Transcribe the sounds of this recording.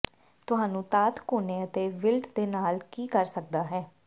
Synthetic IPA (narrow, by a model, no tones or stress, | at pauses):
t̪ʊɦãːnũːt̪aːt̪koːneːət̪eːʋɪlʈd̪eːnaːlkiːkəɾsək̚d̪aːɦɛː